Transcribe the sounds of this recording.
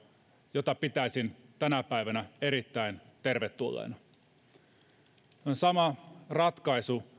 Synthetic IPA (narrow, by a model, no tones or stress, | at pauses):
jot̪ɑpit̪æisint̪ænæpæiʋænæeɾit̪ːæint̪erʋet̪ːulːḛːnɑ | onsɑmɑrɑt̪kɑisu